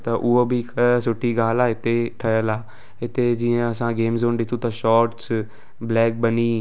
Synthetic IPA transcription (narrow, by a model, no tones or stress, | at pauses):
t̪ãːʔuoːbʱiːkʰəsʊʈʰːiːɡaːlaːɪt̪ʰːeːʈʰəjəlaː | ɪt̪eːd͡ʒiãəsãːɡeːmzoːnɖɪt̪ʰːuːt̪ãːʃɔːɾʈs | blɛːk̚bəniː